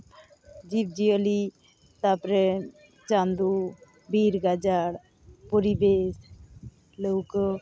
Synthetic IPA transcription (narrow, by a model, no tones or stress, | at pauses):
d͡ʒib̚d͡ʒiɔli | t̪apɾe | t͡ʃand̪u | biɾɡad͡ʒaɽ | pɔɾibes | ləwkɔ